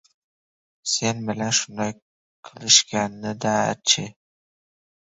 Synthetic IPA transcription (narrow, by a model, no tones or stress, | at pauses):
se̞nbɪlanʃʊnd̪aj | qʰɨlɪʃkʲanːɪd̪a̰ːt͡ʃʰɪ